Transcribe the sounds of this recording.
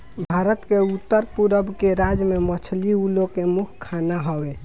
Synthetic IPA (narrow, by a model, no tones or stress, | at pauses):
bʱaɾət̪keut̪ːəɾpuɾəbkeɾad͡ʒmemət͡ʃʰliulokemukʰkʰːanaɦɔwe